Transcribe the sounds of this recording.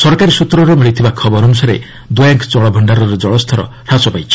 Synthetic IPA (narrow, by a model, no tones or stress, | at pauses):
sɔɾkaɾisut̪ɾɔɾɔmiɭit̪ʰibakʰɔbɔɾɔnusaɾḛ | d̪ojaŋkt͡ʃɔɭɔbʱɔɳɖaɾɔɾed͡ʒɔɭɔst̪ʰɔɾɔ̰ | ɾat͡ʃɔpajt͡ʃʰi̥